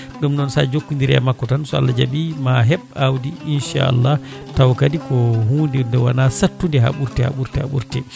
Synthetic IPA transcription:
ɗumnɔnsa̰d͡ʒokːundiɾɛa̰makːɔtansɔa̰lːad͡ʒaɓimaɦɛɓawdiinʃa̰a̰lːa | tawkadikɔhuːndɛndɔwanasatːundɛɦa̰ɓuɾtɛha̰ɓuɾtɛha̰ɓṵɾtɛ

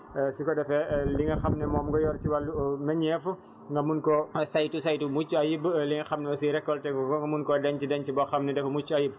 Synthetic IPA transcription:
sikɔdɐfɛliŋɐxɐmnɛmɔːmɡɔjɔɾt͡ʃiwɐlumɐɲɛfu | ŋɡɐmunkɔsajtusajtumut͡ʃːuɐjibliŋɐxɐmnɛɔsiɾɛkːɔltɛŋɡɐmunkɔdɐɲt͡ʃidɐɲcibɔxɐmnɛdɛfɐmut͡ʃːuɐjib̚

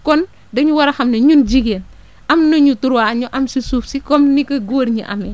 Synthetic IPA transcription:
kɔn | dɐɲuwaɾɐxɐmnɐɲund͡ʒiɡen | ɐmnɐɲutuɾwaɲɔʔɐmsisuːfsikɔmnikɐɡoɾɲḭʔa̰mɛ

